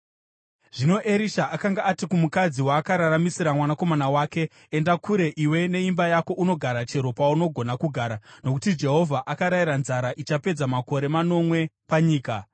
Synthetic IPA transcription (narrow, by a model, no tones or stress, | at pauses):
ʐ̥ino̞ʔe̞ɾiʃaʔakaŋɡaʔːtikumukad͡ziwaːkaɾaɾamisiɾamwanako̞manawaːke̞ː | ndakʰuɾe̞ʔiwe̞ne̞imbajako̞ʔuno̞ɡʱaɾat͡ʃe̞ɾo̞pauno̞ɡʱo̞nakuɡʱaːɾano̞kutid͡ʒe̞ɦo̞vʱaʔakaɾaiɾanzaɾaʔit͡ʃape̞d͡zamako̞ɾe̞mano̞mwe̞paɲiːka